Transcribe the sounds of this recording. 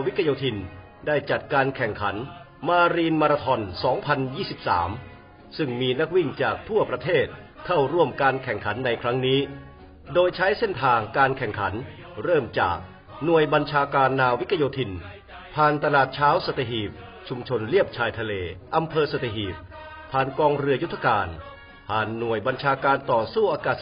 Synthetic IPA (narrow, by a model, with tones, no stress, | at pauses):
wi˦˥kʰːa˧joː˧t̪ʰi˧n | daː˥˩jt͡ɕa˨˩t̪̚kaː˧nkʰɛ˨˩ŋkʰa˩˦n | maː˧ɾiː˧nmaː˧ɾaː˧t̪ʰɔ˧nsɔː˩˦ŋpʰa˧njiː˥˩si˨˩p̚sa̰ː˩˦m | sɯ˥˩ŋmiː˧na˦˥k̚wi˥˩ŋt͡ɕaː˨˩k̚t̪ʰu˥˩ɐpɾa˧t̪ʰeː˥˩t̪̚ | kʰa˥˩wɾu˥˩əmkaː˧nkʰɛ˨˩ŋkʰa˩˦nːa˧jkʰɾa˦˥ŋniː˦˥ | doː˧jt͡ɕʰa˦˥jse˥˩nt̪ʰaː˧ŋkaː˧nkʰɛ˨˩ŋkʰa˩˦n | ɾɤː˥˩mt͡ɕa̰ː˨˩k̚ | nu˨˩əjba˧nt͡ɕʰaː˧kaː˧nːaː˧wi˦˥k̪ʰːa˧joː˧t̪ʰi˧n | pʰaː˧nt̪a˧laː˨˩t̪̚t͡ɕʰaː˦˥wsa˧˩t̪ʰe˧ɦiː˨˩p̚ | t͡ɕʰu˧mt͡ɕʰo˧nli˥˩əp̚t͡ɕʰaː˧jt̪ʰa˧leː˧ʔa˧mpʰɤː˧sa˧˩t̪ʰe˧˩ɦiː˨˩p̚ | pʰaː˧nkɔː˧ŋɾɯ˧ɐju˥t̪ʰːa˧kaː˧n | pʰaː˨˩nːu˨˩əjba˧nt͡ɕʰaː˧kaː˧nt̪ɔː˨˩suː˥˩ʔaː˧kaː˨˩